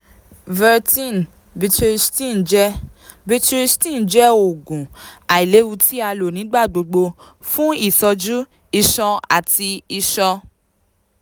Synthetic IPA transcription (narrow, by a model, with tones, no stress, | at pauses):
vɛ˧tĩ˦˨n | bi˧tɾi˧stĩ˦˨nd͡ʒɛ˦ | bi˦˧tɾi˧˦stĩ˦˨n˨d͡ʒɛ˦o˨ɡũ˨a˨i˨le˨˦wu˧ti˦a˧lo˨nĩ˨˦ɡ͡ba˦˨ɡ͡bo˧ɡ͡bo˧ | fũ˦i˦˨sɔ˧d͡ʒu˦ | i˧ʃɔ˧a̰˨ti˧i˧ʃɔ˧